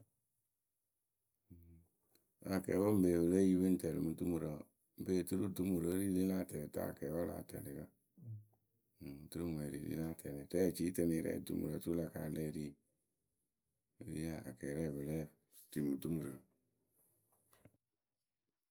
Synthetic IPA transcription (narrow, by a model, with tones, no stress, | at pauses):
a˨kɛ̰˨˦bo˦m̩˦be˨βɨ˨le˦ji˦bi˦n˦te˨lḭ˨mu˦tu˦mu˨ɾo˨ | m̩˦be˦˨tu˦ɾu˦tu˦mu˨ɾo˨˦ɾi˦li˦la˦˨tɛ˨ɾi˨ta̰˦˨kɛ˨wa˦la̰ː˨tɛ̰˨li˨ɡa˦˨ | tu˦ɾu˦m˨e˨ɾḭ˨lḭ˦la˦˨tʰɛ˨lɛ˨tɛ˦˨t͡ʃi˦te˨ni˨ɾɛ̰˦˨tṵ˨˦mṵ˨ɾo˨tu˦la˨ka̰˨le˦ɾi˦˨ | ɾi˦a˨a̰˨kɛ˨ɾɛ˦˨βɨ˨le˦ | ti˨mu˨tu˦mu˨ɾə˨